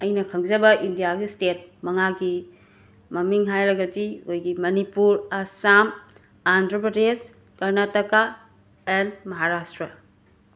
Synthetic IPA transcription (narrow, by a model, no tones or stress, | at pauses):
ɐjnɐkʰɐŋzɐbɐʔindijaɡistet̚mɐŋaɡi | mɐmiŋɦajɾɐɡɐdiojɡimɐnipuɾasam | andɾɐpɾɐdes | kɐɾnatɐka | enmɐɦaɾastɾɐ